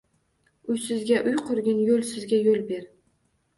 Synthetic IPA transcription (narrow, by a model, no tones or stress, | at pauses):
ʊjsɪzɡʲaʔʊjqʰʊɾɡʲɪnjolsɪzɡʲajolbe̞ɾ